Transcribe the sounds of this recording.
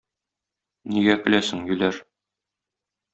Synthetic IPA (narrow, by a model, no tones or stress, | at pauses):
niɡækɘ̆læsɘ̆ŋjɵ̆læɾ